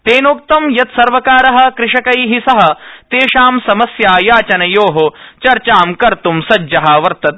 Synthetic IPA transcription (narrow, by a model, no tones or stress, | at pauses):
t̪eːnoːk̚t̪ɐmjɐt̪sɐɾʋɐkaːɾɐɦɐ̆kɾɪʂɐkɐjɦisɐɦɐ̆t̪eːʃaːmsɐmɐsjaːjaːt͡ʃɐnɐjoːɦot͡ʃɐɾt͡ʃaːmkɐɾt̪umsɐd͡ʒɐɦɐ̆ʋɐɾt̪ɐt̪̚